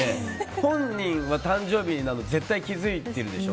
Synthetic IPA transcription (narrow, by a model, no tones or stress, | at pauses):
ehõ̞ɲɲĩɰ̃βat̪ãɲd͡ʑo̞ːbʲiɲinanoze̞t̪ːaikʲizɨit̪eɾɯ̟d̪e̞ɕo̰